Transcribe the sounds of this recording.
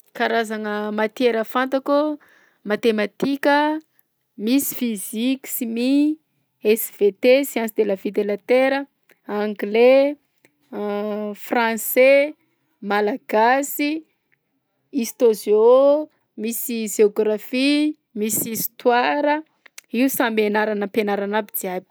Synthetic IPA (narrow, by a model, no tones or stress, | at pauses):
kaɾazanəmat̪ieɾəfant̪aku | mat̪emat̪ikʲə | misi̥fizikʲi̥simi | ɛsv̥et̪esiansid̪elavid̪elat̪eɾə | aŋɡle | frãse | malaɡ̥asi | ist̪ozio | misiʒeoɡrafi | misist̪waɾə | iusambenaɾanəpenaɾanabid͡ziabi̥